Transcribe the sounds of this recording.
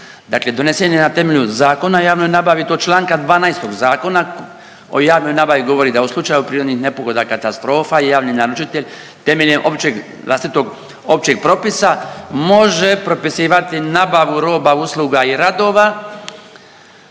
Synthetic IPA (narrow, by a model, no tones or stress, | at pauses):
d̪akle̞d̪o̞neseɲenat̪e̞meʎuzaːko̞najaːʋno̞jnabaʋit̪ot͡ʃlaːŋkad̪ʋaːnajst̪o̞ɡzaːko̞na | o̞̰jaːʋno̞jnabaʋiɡo̞ʋo̞ɾid̪auslˠut͡ʃajupɾiːɾo̞d̪nixnepo̞ɡo̞d̪akat̪ast̪ɾo̞ːfajaːʋninaɾut͡ʃit̪eʎʲ | t̪e̞meʎʲeʔo̞pt͡ʃeɡ | la̰st̪it̪o̞ɡ | o̞p̚t͡ʃeɡ̚pɾo̞pisamo̞ʒe̞pɾo̞pisiːʋat̪inabaʋuɾo̞ːbauslˠuɡaiɾad̪o̞ːʋa